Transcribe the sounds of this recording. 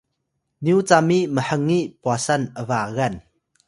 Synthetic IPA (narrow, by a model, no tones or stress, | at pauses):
njut͡samiʔməhəŋːiʔpwasɐnʔəvaːɣɐn